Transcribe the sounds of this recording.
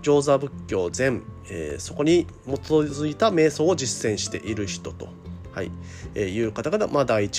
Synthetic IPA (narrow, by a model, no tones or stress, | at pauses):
d͡ʑo̞ːzabɯ̟kʲːo̞ːzẽ̞ɴ | ḛːso̞ko̞ɲ̟imo̞t͡szɨit̪ame̞ːso̞ːod͡ʑisːẽ̞ɰ̃ɕi̥t̪e̞̰ʔiɾɯ̟çi̥t̪o̞t̪o̞̥̰ | haḭ | ejɯ̟ːkat̪akat̪amad̪aiːt͡ɕ